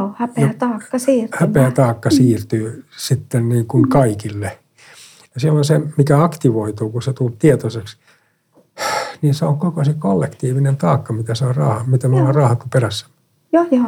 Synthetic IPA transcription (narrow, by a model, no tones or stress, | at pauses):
hæpeoæt̪ɑːkːɑsiːrhæpeæt̪ɑːkːɑsiːrt̪yːsit̪ːenniːŋkunkɑikilːe | jɑsielonsemikæɑkt̪iʋoit̪uːkuset̪ultt̪iet̪oseks | niːnseoŋkokosikolːekt̪iːʋinent̪ɑːkːɑmit̪æseorɑːhɑmit̪æmolːɑrrɑːhɑt̪ːuperæsːæ̥m | jojo